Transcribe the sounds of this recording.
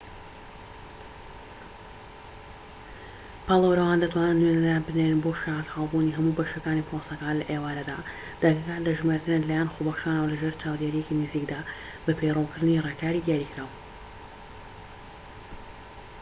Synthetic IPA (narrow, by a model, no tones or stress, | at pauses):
pɑlˠəwɾɐwand̪ɐt̪ʰwaːnɨnːwenɛɾanbɨneɾɨnboʃahat̪hɑlˠbuniɦɐmuːbɐʃɐkaːnipʰosɐkaːnlɐʔeːwaːnɐd̪a̰ | d̪̥aɡɐkaːlɐʒmaɾt̪ɨnelaːjanxobɐxʃaːnəwlɐʒeːɾt͡ʃaːwd̪eːɾijecinɨziːkd̪aː | bɐpʰejrowkɨɾd̪ɨnireːkaːɾid̪ijaːɾikɾaːw